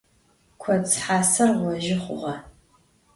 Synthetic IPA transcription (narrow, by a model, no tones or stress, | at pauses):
kʷʰɐt͡sħaːsɐrwɔʒɪχʷʊ̰ʁɐ